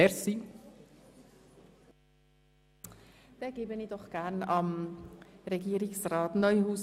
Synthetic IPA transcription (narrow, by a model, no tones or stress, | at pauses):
ɛsi | d̥ɛɡ̥eːbənidɔχɡ̥ænɑm | reɡiːɾɪksrɑːtnœʏhuːs